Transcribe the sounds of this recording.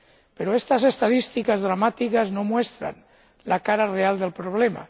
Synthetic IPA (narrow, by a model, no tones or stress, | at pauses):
peɾoest̪asest̪að̞ist̪ikazðɾamat̪ikaznomwest̪ɾa̰n | lakaɾareald̪elpɾoβ̞lema̰